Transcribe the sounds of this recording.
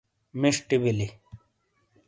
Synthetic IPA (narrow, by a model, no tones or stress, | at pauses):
miʂʈibili